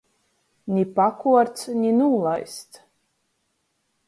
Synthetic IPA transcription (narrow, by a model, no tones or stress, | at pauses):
nʲipakuɔɾt̪sɲʲinuːlˠajst̪